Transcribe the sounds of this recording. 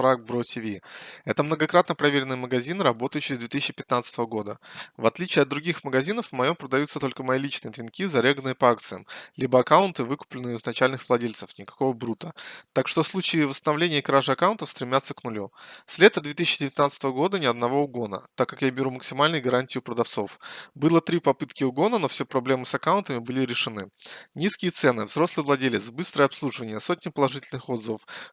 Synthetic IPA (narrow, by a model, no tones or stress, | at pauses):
fɾak̚bɾotʲɪvʲiɛt̪əmnəɡɐkɾat̪nəpɾɐvʲeɾʲɪnɨjəməɡɐzʲinɨɾɐbo̞t̪əjʊt͡ɕːɕɪɾʲɪzd̪vʲet̪ɨsʲːɕɪpʲɪt̪nat̪sə̥t̪əvəɡo̞d̪əvɐt̪lʲit͡ɕɪːɐd̪d̪ɾʊɡʲixməɡɐzʲinəfmɐjo̞mpɾəd̪ɐjut̪sət̪o̞lʲkəmɐilʲit͡ɕnɨjət̪vʲɪnkʲizɐɾʲeɡənɨjəpɐak̚t̪sɨjə̰mlʲibəɐkaʊnt̪ɨvɨkʊ̥plʲɪnɨjɪznɐt͡ɕælʲnɨxvlˠɐdʲelʲt̪sə̥fnʲɪkɐ̥ko̞vəbɾut̪ət̪akʂt̪ofslˠut͡ɕɪːvəst̪ənɐvlʲenʲɪjəkɾaʐɨɐkawʊnt̪əfst̪ɾʲɪmʲat̪səknʊlʲusʲlʲe̞t̪əd̪vʲe̞t̪ɨsɪːt͡ɕːɪdʲɪvʲɪt̪nat̪st̪əvəɡo̞d̪ənʲɪɐd̪nɐvo̞ʊɡo̞nə̰t̪akːakjabʲɪɾʲuməksʲɪmalʲnʊjɡɐɾanʲtʲɪjʊpɾəd̪ɐft̪so̞fbɨlˠət̪ɾʲipɐpɨt̪kʲɪʊɡo̞nənofsʲepɾɐblʲe̞mɨsɐkaʊnt̪əmʲɪbɨlʲɪɾʲɪʂɨnɨnʲiskʲɪjət̪sɛnɨvzɾo̞slˠɨvlˠɐdʲelʲɪt̪sbɨst̪ɾəjɐpslˠuʐɨvənʲɪjəso̞tʲnʲɪpəlˠɐʐɨtʲɪlʲnɨxo̞d̪zəvəf